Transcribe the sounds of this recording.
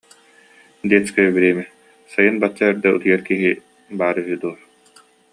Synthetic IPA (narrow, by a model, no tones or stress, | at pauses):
d̪iɛt͡skaybiɾeɛmi | sajɯnbat͡ɕːaɛɾd̪ɛṵt̪ɯjɐɾkiɦi | baːɾyɦyd̪uɔɾ